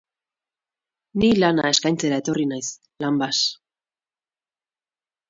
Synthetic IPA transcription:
nilana̰e̞skajnt͡se̞ɾae̞t̪o̞rinajs | lambas

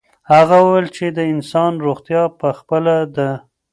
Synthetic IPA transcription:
haɣawuwelt͡ʃed̪əɪnsɑnɾoɣt̪jɑpəxpəlad̪ə

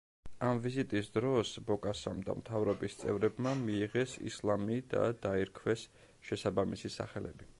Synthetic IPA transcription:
amvizit̪ʼisd̪ɾɔsbɔkʼasamd̪a̰mt̪ʰavɾɔbist̪sʼɛ̰vɾɛbmamiːʁɛsḭslˠamid̪a̰d̪̥aiɾkʰwɛs | ʃɛsabamisisa̰χɛlɛ̰bi

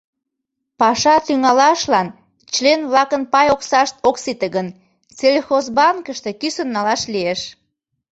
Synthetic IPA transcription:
pɑʃɑt̪yŋɑlɑʃlɑn | t͡ɕlenβlɑkənpɑjoksɑʃt̪oksit̪əɣən | t͡selʲxozbɑŋkəʃt̪e̽kysənːɑlɑʃlieʃ

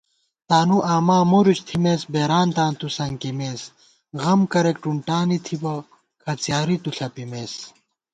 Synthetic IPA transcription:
t̪aːnuʔaːmaːmoɾuɕt̪ʰimeːsbeːɾaːnt̪aːnt̪usɐŋkimeːs | ɣɐmkɐɾek̚ʈuɳʈaːnit̪ʰibɐ | kʰɐt͡sjaːɾit̪uɬʰɐpimeːs

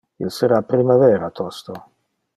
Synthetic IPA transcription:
ilsəɾapɾimavɛːɾat̪ʰɔst̪o

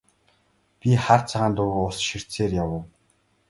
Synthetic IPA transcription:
pʲiχart͡sʰaʁaːnt̪ʊɣʊɮsʃir̥t͡seːrjawə̆w

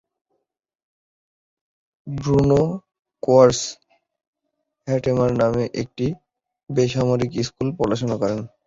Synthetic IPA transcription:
bɾuno | koaɾs | hɛʈemaɾnameʔek̚ʈi | beʃamoɾikiskulpɔɾaʃonakɔɾen

